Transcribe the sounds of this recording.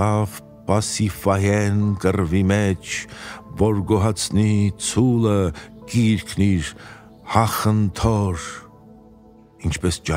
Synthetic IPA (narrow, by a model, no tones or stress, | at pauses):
ɑv | pɑsifɑjɛnkərvimɛt͡ʃʰvɔɾɡɔɦɑt͡sʰnit͡sʰuləkiɾkʰniɾ | hɑχənt̪ʰɔɾ | int͡ʃʰpɛst͡ʃɑ